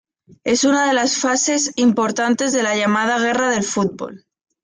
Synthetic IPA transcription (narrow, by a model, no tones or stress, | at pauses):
e̞sunaðe̞lasfase̞simpo̞ɾt̪ant̪e̞zðe̞laʝamað̞aɣ̞e̞raðe̞lfut̪̚bo̰l